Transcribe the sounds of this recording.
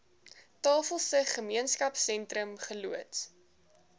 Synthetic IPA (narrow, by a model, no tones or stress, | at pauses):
tɑːfəlˠsəχəmiənskɐpsɛntɾəmχəluət